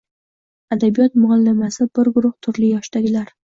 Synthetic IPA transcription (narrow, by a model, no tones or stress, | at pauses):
ad̪abijɒt̪mʊalːamasɪbɪɾɡʊɾʊht̪ʰʊɾlɪjɒʃt̪aɡʲɪlaɾ